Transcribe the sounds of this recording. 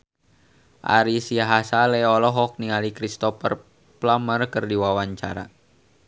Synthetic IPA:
ʔa̰ɾisiaɦasalɛɔlɔɦɔk̚niŋalikɾist̪ɔfər | plamərkərdiwawaɲt͡ʃa̰ɾa̰

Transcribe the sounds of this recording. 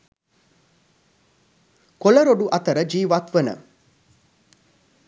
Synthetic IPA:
koləɾoɖuʔɐt̪əɾəd͡ʒiːʋat̪ʋənə̰

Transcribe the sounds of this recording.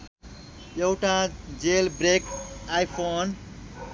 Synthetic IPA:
jewʈad͡ʒelbɾekajpʰon

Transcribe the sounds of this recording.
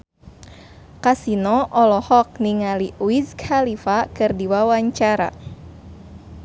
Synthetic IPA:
kasinɔʔɔlɔhɔk̚niŋaliuiskhalifakɨrdiwawaɲt͡ʃaɾa̰

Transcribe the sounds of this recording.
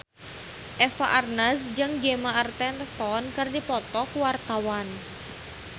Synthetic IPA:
ʔɛfa̰ʔarnasd͡ʒɨŋɡemaart̪ɛnrt̪ɔnkɨrdipɔt̪ɔkuwart̪awan

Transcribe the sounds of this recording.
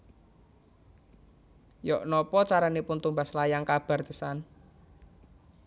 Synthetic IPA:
jɔʔnɔpɔt͡ʃaɾanipʊnt̪umbaslajaŋkab̥a̤rd̪ə̥san

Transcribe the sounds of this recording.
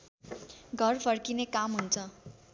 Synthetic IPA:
ɡʱʌrpʰʌrkinekamɦunt͡sʰʌ

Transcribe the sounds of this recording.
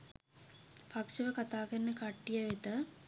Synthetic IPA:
pakʂəʋəkat̪aːkəɾnːəkaʈːijəʋet̪ə

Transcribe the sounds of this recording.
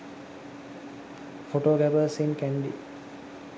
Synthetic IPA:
foʈoːɡæbəːsinkæɳɖḭ

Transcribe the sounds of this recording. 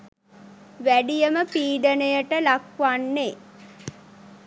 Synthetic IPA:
ʋæɖijəməpiːɖənəjəʈəlakʋanːe

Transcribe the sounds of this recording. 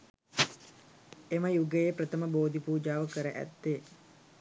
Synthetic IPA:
eməjuɡəjepɾət̪əməboːd̪ipuːd͡ʒaːʋəkəɾəʔæ̰t̪ːe

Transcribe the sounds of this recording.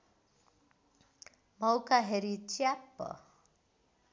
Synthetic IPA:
mʌwkaɦeɾit͡ʃjapːʌ̰

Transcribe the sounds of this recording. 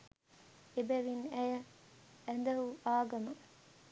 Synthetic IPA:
ebæʋinæjəː | nd̪ɐɦuʔaːɡɐmɐ

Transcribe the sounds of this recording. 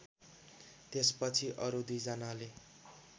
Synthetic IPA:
t̪espʌt͡sʰiʔʌɾud̪ujd͡zʌnale

